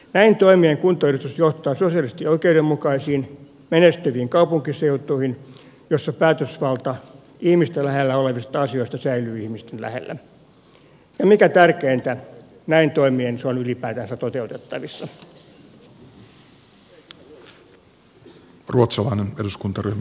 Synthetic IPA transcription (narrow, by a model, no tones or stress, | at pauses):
næint̪oimieŋkunt̪ˑoyryt̪usjoht̪ˑɑːsosiɑlist̪ioikeudemːukɑisiːn | menest̪yʋiːŋkɑupuŋkiseut̪ˑuihin | josːɑpæːt̪øsʋɑlt̪ɑ | ihmist̪ælæɦelːæoleʋist̪ɑɑsio̞ist̪ɑsæilyːihmist̪enlæ̰hḛlːæ̰ | jɑmikæt̪ærkeːnt̪æ | næint̪oimienseonylipæːt̪ænsæt̪ot̪eut̪et̪ːɑʋisːɑ | ruot̪sɑlɑineneduskunt̪ɑryhm